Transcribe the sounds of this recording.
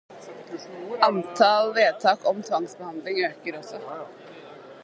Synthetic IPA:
ɑnt̪ʰɑlʋeːd̪t̪ʰɑːkɔmt̪ʰʋɑŋsbɛhɑnd̪lɪŋøːkəɾɔsːɔ

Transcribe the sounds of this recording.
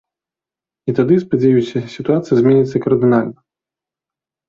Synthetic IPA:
it̪ad̪ɨspad͡zʲɛjusʲɐsʲit̪uat̪sɨjɐzʲmʲɛnʲit̪sːɐkɐrd̪ɨnalʲnɐ

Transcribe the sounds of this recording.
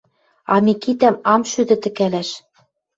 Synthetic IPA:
ɑmʲikit̪æmɑmʃyd̪ɘ̆t̪ɘ̆kælæʃ

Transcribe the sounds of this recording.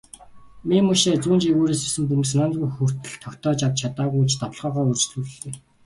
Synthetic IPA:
mimɵʃeːt͡suːnt͡ɕiɣuːɾiːsesɘ̆mpum̆snaːnt̪ɣujxur̥t̪ɘ̆ɮt̪ʰːɔkʲt̪ʰɔːt͡ɕawt͡ɕʰat̪aːʁujut͡ɕt̪aw̆ɮʁœːʁɔːɵrt͡ɕɮuːrɵ̆ɮt̪eː

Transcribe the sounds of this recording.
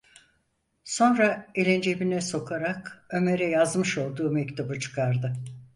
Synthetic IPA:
so̞nɾaelʲend͡ʒebinɛso̞kʰaɾakø̞me̞ɾɛjazmɯʃo̞lˠd̪uːmɛct̪ʰubut͡ʃʰɯ̥kʰaɾd̪ɯ

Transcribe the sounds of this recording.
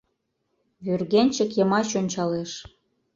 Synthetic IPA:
βyrɣenʲt͡ɕə̆kjə̆mɑɕonʲt͡ɕɑleʃ

